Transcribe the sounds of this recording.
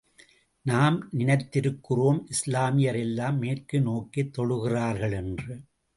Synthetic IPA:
naːmnɪnɐɪt̪ːɪɾɯkːɯroːmʔɪslaːmɪjɐɾɛlːaːmːeːrkɯnoːkit̪ːɔɭɯɣɪraːɾɣɐɭɛndrɯ

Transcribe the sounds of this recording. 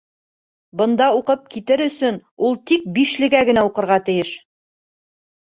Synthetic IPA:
bɤ̆nd̪ɑuqɤp̚kit̪ɘɾɵ̆sɵnulˠt̪ik̚biʃlɘ̆ɡæɡɘ̆næuqɤ̆ɾʁɑt̪ɘ̆jɘʃ

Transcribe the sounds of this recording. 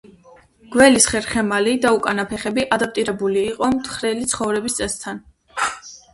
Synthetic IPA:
ɡ̥wɛlisχɛɾχɛmalid̪aukʼanapʰɛχɛbiʔad̪ap̚ʰt̪ʼiɾɛbuliːqʼɔmt̪ʰχɾɛlit̪sʰχɔvɾɛbist̪sʼɛst̪ʰan

